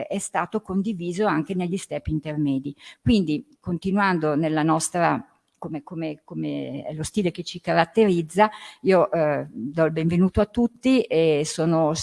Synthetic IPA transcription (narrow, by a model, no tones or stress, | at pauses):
ɛst̪aːt̪okond̪iviːzoaŋkeneʎːist̪ɛːpint̪ermɛːd̪ikwind̪ikont̪inwand̪onelːanɔst̪ɾa̰ | komekomekomḛɛ̰lost̪iːleket͡ʃikaɾat̪ːeɾid̪zːaiːoʔd̪ɔilbeɱvenuːt̪oat̪ːut̪ːiesoːno